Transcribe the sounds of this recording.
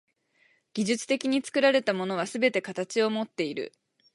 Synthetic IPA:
ɡ̥ʲiʑɨt͡sɨ̥t̪e̞kʲiɲ̟it͡sɨ̥kɯ̟ɾaɾe̞t̪amo̞no̞β̞asɨbe̞t̪e̞kat̪at͡ɕio̞mo̞t̪ːe̞iɾɯ̟̰

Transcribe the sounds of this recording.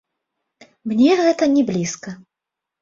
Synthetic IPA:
mnʲɛɣɛt̪ɐnʲɛblʲiskɐ

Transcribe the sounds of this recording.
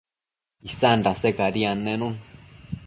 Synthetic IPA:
isanɾasekaɾianẽnũn

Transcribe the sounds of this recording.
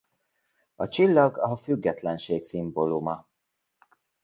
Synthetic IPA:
ɒt͡ʃilːɒɡɒɦɒfyɡːɛt̪lɛnʃeːksimbo̞lumɒ

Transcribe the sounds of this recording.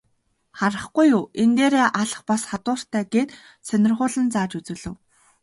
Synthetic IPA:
χaɾə̆χɡujʊːent̪eːɾeːʔaɮə̆χpasχat̪ʊːr̥t̪ʰæːɡeːt̪ | sœnʲɪ̆rχʊːɮə̆nt͡saːt͡ɕut͡sɵ̆ːɮɵ̆w

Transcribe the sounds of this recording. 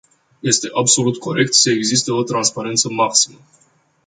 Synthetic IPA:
je̞st̪e̞ʔabso̞lut̪kʰo̞ɾe̞k̚t̪səeɡzist̪eo̞t̪ɾanspaɾe̞nt̪səmaksi̥mə

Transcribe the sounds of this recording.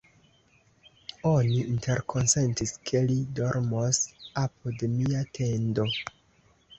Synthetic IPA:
o̞niinte̞ɾkʰo̞nse̞ntiskʰe̞lidoɾmosap̚odemiatʰe̞ndo̞

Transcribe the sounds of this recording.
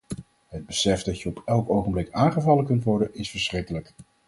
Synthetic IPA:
ɦəd̚bəsɛfddɑtjəɔpʰɛlˠkowχəmblɪkaːŋχəvɑləkɵntʋɔɹdənɪsfəɹsχrɪkələk

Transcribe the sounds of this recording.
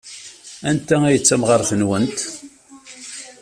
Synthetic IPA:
ænt̪ææjət͡sːæmʁɑɾˤθənwənt̪

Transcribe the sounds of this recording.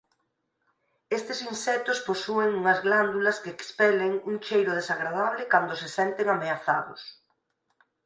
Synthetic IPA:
est̪ɪsinsɛt̪ʊsposueŋuŋɐzɣland̪ulɐskeːkspɛleŋuŋt͡ʃejɾʊð̞esaɣɾaðaβlɪkand̪ʊsɪsɛnt̪eŋameaθaðʊ̰s

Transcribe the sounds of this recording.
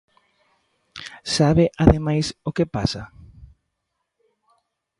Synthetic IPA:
saβɪʔaðemajsokepasa

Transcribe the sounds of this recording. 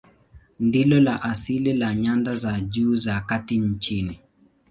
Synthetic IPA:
ndilɔlaʔasililaɲandazad͡ʒuːzakatiɲ̩t͡ʃini

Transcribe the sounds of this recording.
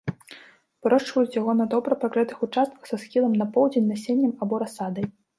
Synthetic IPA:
pɾɔʂt͡ʂvɐjut͡sʲjaɣɔnɐd̪ɔbɾɐpakɾɛt̪ɨxut͡ʂast̪̚kɐ̥xsɐsxʲilˠɐmnɐpɔwd͡zʲenʲnɐsʲenʲːɐmabɔɾasad̪ɐj

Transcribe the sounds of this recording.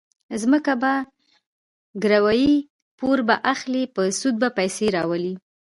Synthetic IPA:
zməkaba | ɡɾawɑji | poɾbaʔaxlipəsud̪̚bapajseɾɑwəli

